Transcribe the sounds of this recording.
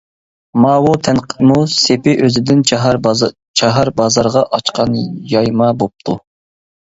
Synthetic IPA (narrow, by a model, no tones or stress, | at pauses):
mɑːwut̪ʰɛnqʰə̥musepɪʔøzɪd̪ɪn | t͡ʃʰɑɦɑɾbɑzɑɾʁɑʔɑt͡ʃqɑnjɑjmɑbop̚t̪ʰu